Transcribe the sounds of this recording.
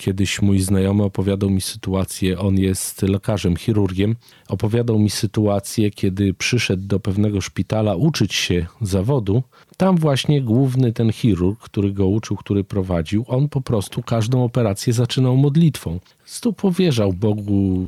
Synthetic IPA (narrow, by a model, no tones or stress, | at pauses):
kʲjɛd̪ɘɕmujznajɔmɘɔpɔvʲjad̪awmʲisɘ̥t̪uat̪sʲjɛʔɔnjɛst̪lɛkaʐɛmxʲiɾuɾɡʲɛm | ɔpɔvʲjad̪awmʲisɘt̪uat̪sʲjɛkʲɛd̪ɘpʂɘʂɛd̪ːɔpɛvnɛɡɔʂpʲit̪alaʔut͡ʂɘt͡ɕɕɛzavɔd̪u | t̪amvwaɕɲɛɡwuvnɘt̪ɛnxʲiɾuɾkːt̪uɾɘɡɔut͡ʂɘwkt̪uɾɘpɾɔvad͡ʑiwɔnpɔpɾɔst̪ukaʐd̪ɔ̃w̃ɔpɛɾat̪sʲjɛzat͡ʂɘnawmɔd̪lʲit̪fɔ̃w̃ | st̪upɔvʲjɛʐawbɔɡu